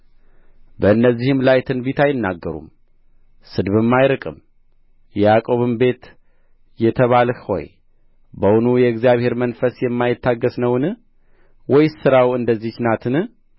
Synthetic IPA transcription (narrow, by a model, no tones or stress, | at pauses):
bəɨnːəzːihɨmlajt̪ʰɨnbit̪ʰajɪnːaɡːəɾṵm | sɨd̪βɨmːajɾɨkʼɨm | jɛjakʼo̞βɨmbe̞t̪ | jɛt̪ʰəβalhho̞̰j | bəwʊnujɛɨɡzijaβhe̞ɾmənfəsjɛmːajɪt̪ːaɡːəsnəwnɨ | wɔjsɨɾawɨnd̪əzːit͡ʃnat̪ʰɨnɨ